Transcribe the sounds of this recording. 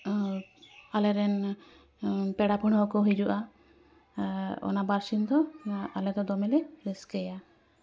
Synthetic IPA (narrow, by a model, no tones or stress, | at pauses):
alɛɾɛn | pɛɽapəɽɔkɔɦid͡ʒuʔa | ɔ̰nabaɾsind̪ɔalɛd̪ɔd̪ɔmɛlɛɾiskɛja